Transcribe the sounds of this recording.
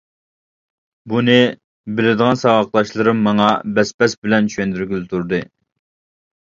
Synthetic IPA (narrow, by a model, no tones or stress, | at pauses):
bunɪ | bɪlɪd̪əʁɑnsɑwɑqlˠɑʃlˠɨɾɨmːɑŋɑbɛspɛsbɪlɛnt͡ʃyɥɛnd̪yɾɡʲylɪt̪ʰuɾd̪ɨ